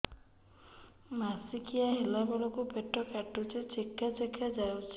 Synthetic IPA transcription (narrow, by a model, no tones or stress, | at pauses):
masikʰijaɦelabɔlɔkupeʈːɔkaʈːut͡ʃʰit͡ʃikʰːasekʰad͡ʒawt͡ʃʰ